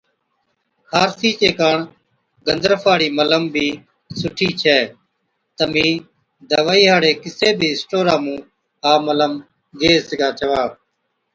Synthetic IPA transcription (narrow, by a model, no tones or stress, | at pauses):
kʰaːɾsiːt͡ʃeːkaːɳ | ɡənd̪əɾfʰaːɽiːmələmbʱiː | sʊʈʰiːt͡ʃʰɛː | t̪əmĩː | d̪əʋaːiːɦaːɽeːkɪseːbʱiːsʈoːɾaːmũː | ɦaːmələm | ɡeːsəɡaːt͡ʃəʋaː